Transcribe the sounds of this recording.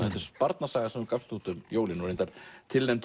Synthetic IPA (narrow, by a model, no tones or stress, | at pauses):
θɛht̪ɪ̥spaɾt̪nasaːɣasɛmʏɾkafst̪ut̪ʏmjoːwlɪnɔɾẽnt̪aɾ̥t̪ʰɪlnɛmt̪